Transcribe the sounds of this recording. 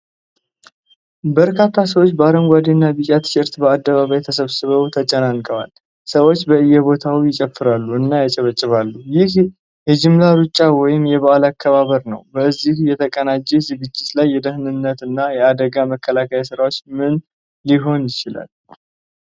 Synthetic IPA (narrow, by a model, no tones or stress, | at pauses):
bəɾkʰat̪ʰːas̬əwot͡ʃːbəaɾəmɡʷad̪inːabɨt͡ʃʼat̪ɨ̥ʃɨɾt̪bəad̪ːəβaβajt̪ʰəsəβsɨβəwt̪ʰət͡ʃʼənankʼəwa̰l | səwo̞t͡ʃːbəɨjːɛβo̞t̪ʰawijɪt͡ʃʼəfːɨɾalːuɨnːajat͡ʃʼɛβət͡ʃʼːɪβalːujɪh | jɛd͡ʒɪmlaɾut͡ʃʼːawɔjɪmjɛβaʔalakʰːəβaβəɾnə̰wbəɨzːihjɛt̪ʰəkʼənad͡ʒːezɨɡɨt͡ʃːɪt̪lajːɛd̪əhnɨnːət̪ɨnːajɛad̪əɡaməkːəlakʰəjasɨɾawo̞t͡ʃːmɨn | liɦo̞njɪt͡ʃɪla̰l